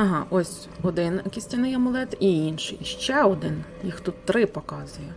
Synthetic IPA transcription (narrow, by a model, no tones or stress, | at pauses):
ɐɦɑʔɔsʲ | ɔd̪ɪnkʲisʲtʲɐnɪjɐmʊlˠɛt̪iinʃɪiʃt͡ʃɛɔd̪ɪnjixt̪ut̪ːɾɪpɔkɑzʊjɛ